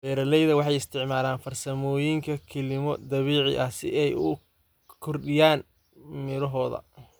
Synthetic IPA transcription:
bɛːɾɐlɛjðɐwɑħɑjɪst̪ʰɪʕmaːlaːnfɐrsɐmɔːjɪŋkʰɐkʰɛlɪmɔd̪ɐβiːʕɪ̰ʔɐhsɪ̰ʔɛjʊ | kʰɔrɗɪjaːn | mɪɾɔɦɔːðɐ̰

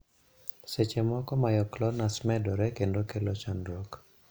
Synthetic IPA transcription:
set͡ʃemɔkɔmajɔklɔnasmɛdɔɾɛkendokelɔt͡ʃandɾok

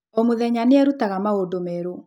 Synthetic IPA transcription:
omoðɛɲaneɛɾutaɣamaodomɛɾo

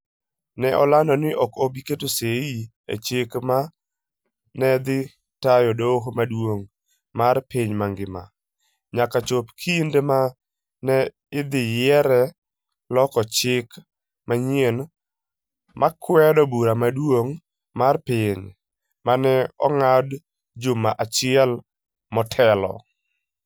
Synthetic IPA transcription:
nɛʔɔlandɔnɪʔɔkobiketosei | ḛt͡ʃekma | nɛd̪ɪ | tajɔdoɦomadwoŋ | marpɪɲmaŋɡɪma̰ | ɲakat͡ʃopkʰindema | nɛ | ɪd̪ɪjɛɾɛ | lɔkɔt͡ʃɪk | maɲien | mʔakwɛdɔbuɾamadwoŋ | marpɪɲ | manɛɔŋad | d͡ʒʊmaʔat͡ʃɪɛl | mɔtʰɛlɔ̰

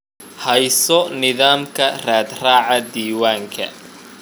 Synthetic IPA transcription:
hɛjsɔnɪðaːmkʰɐraːd̪raːʕɑd̪iːwaːŋkʰɐ̰

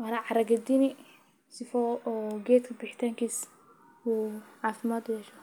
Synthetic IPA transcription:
wɐɾaʕɑɾɐɡɐd̪inɪ | sɪfɔːɡɛːt̪kʰɐbɪħɪ̥t̪ʰaːŋkʰiːs | uːʕɑːfɪmaːd̪ʊjɛʃɔ

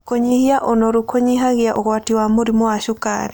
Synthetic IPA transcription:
koɲihiaʔonɔɾukoɲiɦaɣeaʔoɣwatiwamoɾimowaʃoka̰ɾi

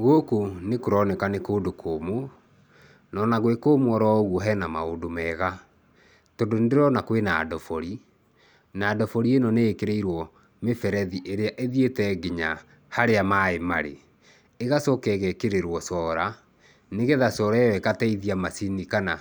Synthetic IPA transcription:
ɣokonekoɾɔnɛkanekoːdokʰomo | nɔnaɣwekoːmwɔɾɔɣwɔɦɛnamaodomɛːɣa | todondeɾɔnakwenadɔfɔɾi | naːdɔfɔɾienɔneːkeɾeiɾwɔ | mefɛɾɛðiʔeɾeaʔeðietɛɡiɲa | haɾeamaemaɾḛː | ɣasɔkɛɣɛkeɾeɾwɔsɔːɾa | neɣɛðasɔɾɛwɛkatɛiðiamasinikana

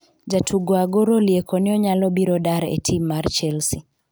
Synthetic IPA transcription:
d͡ʒatʰuɡwaɡɔɾɔliɛkʰɔniɔɲalɔbiɾɔdaɾɛ̰tʰimaɾt͡ʃɛlsi

